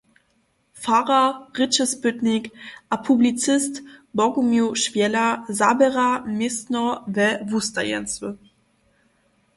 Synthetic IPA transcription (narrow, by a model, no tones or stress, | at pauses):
faʁaʁɪt͡ʃəspʏtnɪkʔapʰublit͡sɪstbɔɡumjuʃvjɛlazabɛʁamɪstnɔvɛvusta̰jɛ̰nt͡sə